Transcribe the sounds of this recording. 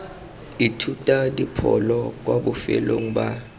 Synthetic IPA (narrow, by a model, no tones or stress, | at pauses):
itʰutʼadipʰɔ̰lɔk̬waɓufɛ̰loŋ̩ɓa